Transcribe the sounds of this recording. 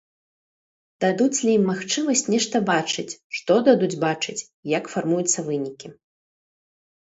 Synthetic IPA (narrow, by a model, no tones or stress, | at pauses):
d̪̥ad̪ut͡sʲlʲijimːaxt͡ʂɨmɐsʲt͡sʲnʲɛʂt̪ɐbat͡ʂɨt͡sʲʂt̪ɔd̪ad̪ud͡zʲbat͡ʂɨt͡sʲ | jakfarmujut̪sːɐvɨnʲikʲi